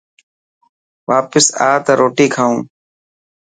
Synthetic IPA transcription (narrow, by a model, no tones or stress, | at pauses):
ʋaːpəsa̰ːt̪əːɾoːʈiːkʰaːũː